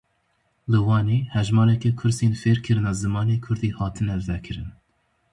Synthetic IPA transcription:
lɨwɑːneːhɛʒmɑːɾɛkɛkʰʊɾseːnfeːɾkʰɨɾɨnɑːzɨmɑːneːkʰʊɾd̪iːhɑːt̪ʰɨnɛvɛkʰɨɾɨn

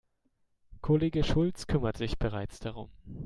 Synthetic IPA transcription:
kʰoleːɡəʃʊlt͡skʰʏmɐtz̥ɪçb̥əʁ̞aɪt͡sd̥aʁʊm

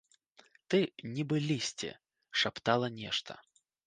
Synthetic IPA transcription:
t̪ɨnʲibɨlʲisʲt͡sʲɛ̰ | ʂapt̪alˠɐnʲɛʂt̪ɐ̰

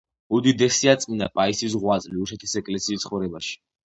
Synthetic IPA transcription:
ud̪id̪ɛsiat̪sʼina̰pʼaisis̬ʁwat̪sʼliusɛt̪ʰisɛkʼlɛsiːst̪sχɔvɾɛbaʃi̥

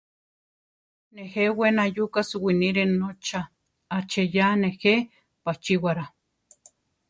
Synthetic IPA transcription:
nehewenajukasuwiniɾenːot͡ʃa | at͡ʃejanehe | pat͡ʃiwaɾa

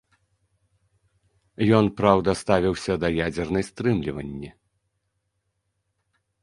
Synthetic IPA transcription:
jɔnpɾawd̪ɐst̪avʲiwsʲɐd̪ɐjad͡zʲɛrnɐjst̪ɾɨmlʲivɐnʲːi

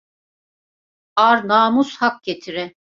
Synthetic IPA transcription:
aɾnaːmushak̚ɟ̥et̪ʰiɾɛ

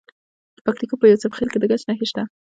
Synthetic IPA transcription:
d̪̥ə̥pak̚t̪ikopəjawsəbxelked̪əɡat͡ʃnaxeʃt̪a

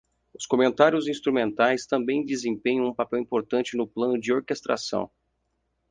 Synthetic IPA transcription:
ʊskomẽnt̪aɾjʊzĩst̪ɾumẽnt̪ajst̪ɐ̃mbẽj̃d̪ɪzẽmpẽɲɐ̃w̃ũpapɛwĩpoɾt̪ɐ̃nt͡ʃɪnʊplɐ̃nʊd͡ʒɪoɾkest̪ɾa̰sɐ̰̃w̃

